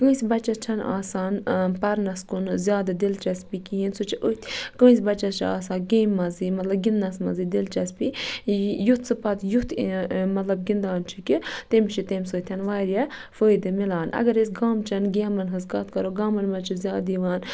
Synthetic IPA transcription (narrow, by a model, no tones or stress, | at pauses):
kə̃ːsibɐt͡ʃːɐt͡ʃʰɐna̰ːsaːnpɐɾnɐskunzʲjaːd̪ɨd̪ilt͡ʃɐspikiinsut͡ʃʰiʔut̪ʰʲkə̃ːsʲbɐt͡ʃɐt͡ʃʰia̰ːsaːnɡeːmːɐziːmɐt̪lɐb̚ɡinːɐsmɐ̰zid̪ilt͡ʃɐspi | jut̪ʰsɨpɐt̪jut̪ʰmɐt̪lɐb̚ɡʲind̪aːnt͡ʃʰikit̪emt͡ʃʰit̪emsoːt̪ʲʰɐnʋaːɾʲjɐ | fəːjd̪ɨmilaːnɐ̰ɡɐɾis̬ʲɡaːmt͡ʃʰɐnɡeːmɐnɦɐskɐt̪kɐɾoɡaːmɐnmɐt͡ʃʰizʲjaːd̪iʋaːn